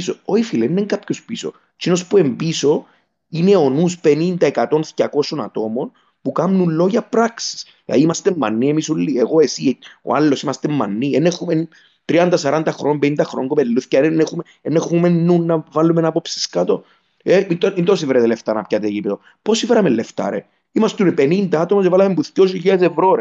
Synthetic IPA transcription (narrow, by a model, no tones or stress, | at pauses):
sooifileneŋɡapçospiso̰ | t͡ʃinospue̞mbiso̞ | ine̞o̞nuspe̞nind̪ɐekɐt̪o̞nθcɐko̞so̞nɐ̰t̪o̞mo̞n | pukɐmnunlːo̞ʝɐpɾɐksi̥s | lɐ̰ðiimɐst̪emːɐ̰nːiemisulːieɣoe̞sio̰alːo̞simɐst̪emːɐnːienexumen | t̪ɾiɐnd̪ɐsɐɾɐnd̪ɐxɾoombenind̪ɐxɾoŋɡopelːuθcɐenexume | enexumenːunːɐvɐlːumenapopsi̥skɐt̪o̞̰ | eind̪oint̪os̬iveɾɐt̪eleft̪ɐnɐpçɐt̪eʝipt̪o | posiveɾɐmelːeft̪ɐ̰ɾḛ | imɐst̪unepe̞nind̪ɐɐt̪omosevɐlɐmembuθcos̬iʎesevɾoɾe